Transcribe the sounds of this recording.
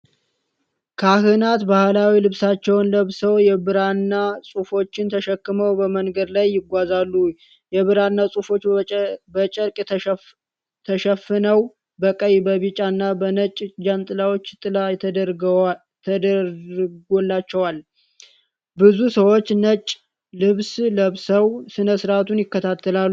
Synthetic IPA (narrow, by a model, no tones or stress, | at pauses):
kʰahɨnat̪bahlawilɨβsat͡ʃːɛwnləβsəwjɛbɨɾanːasʼufo̞t͡ʃːɪnt̪ʰəʃəkːɨməwbəməŋɡəd̪lajːɪɡʷazalːu | jɛβɨɾanːasʼufo̞t͡ʃːbət͡ʃʼəɾkʼ | t̪ʰəʃəfɨnəw | bəkʼəjbəβɨt͡ʃʼanːabənət͡ʃʼd͡ʒant̪ʼɨlawo̞t͡ʃːt̪ʼɨlajt̪ʰd̪əɾʰ | əd̪ | ɡolːat͡ʃːɛwal | bɨzusəwo̞t͡ʃːnət͡ʃʼ | lɨβsləβsəwsɨnəsɨɾat̪ʰunjɪkːət̪ʰat̪ʰːəlalː